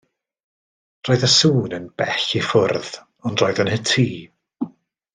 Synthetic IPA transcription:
r̥oːɨðəsuːnənb̥ɛɬifʊrð | ɔndroːɨðənhətʰiː

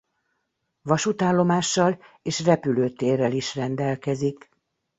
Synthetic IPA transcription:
ʋɒʃut̪aːlːo̞maːʃːɒleːʃrɛpyløːt̪eːrːɛliʃrɛnd̪ɛlkɛzik

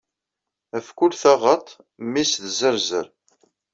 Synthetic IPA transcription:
æfkʊlθɑʁət̪ˤ | misðzəɾzəɾ

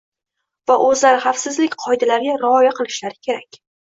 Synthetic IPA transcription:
vaʔɵzlaɾɪχafsɪzlɪkʲqʰɒjd̪alaɾɡʲaɾɪɒjaqʰɨlˠɪʃlaɾɪkʲʰe̞ɾakʲ

